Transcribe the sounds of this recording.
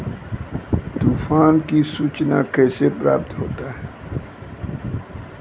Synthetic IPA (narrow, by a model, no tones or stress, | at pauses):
t̪uːfaːnkisuːt͡ʃna̰keːsepɾa̰ːp̚t̪ɦo̰ːt̪aɦɛː